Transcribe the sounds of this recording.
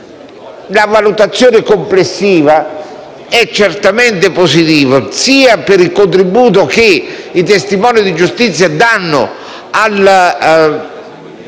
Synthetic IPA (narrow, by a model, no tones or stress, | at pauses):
lavalut̪at̪sːjoːnɪkomplesːiːva | ɛt͡ʃːert̪ament̪ɪposit̪iːvasiːapɪɾilkont̪ɾibuːt̪ok̟ɪit̪est̪imɔːnid̪id͡ʒust̪it̪sːjad̪anːʊ̰ | al